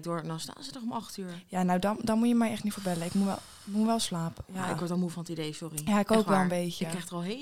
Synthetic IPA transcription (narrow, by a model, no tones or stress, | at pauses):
dʊɹndɔnsta̰ːnzətɔχʊmɑχtyːjanawdɔndɔnmujəmɛjɛxtnifoːɹbɛləɪkmuʋɛ̰lˠ | muʋɛlˠslaːpəjaɪkʋɔɹtɔlˠmufɔnətidejsʊrijaɪkowkʋɛlˠənbejəkːɛxtəɔlˠɦe